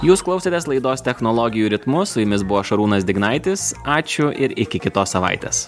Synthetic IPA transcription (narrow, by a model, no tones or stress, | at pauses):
juːsklˠɒʊsʲɛt̪ʲɛslˠɐɪd̪oːst̪ʲɛxnɔlˠoːɡʲɪjuːɾʲɪt̪mʊsʊjʊmʲɪsbʊʋoːʃɐɾuːnɐsʲd̪ʲɪɡnɑɪt̪ʲɪsɑːt͡ʃʲʊʔɪɾɪkʲɪkʲɪt̪oːsɐʋɑ̰ɪt̪ʲḛːs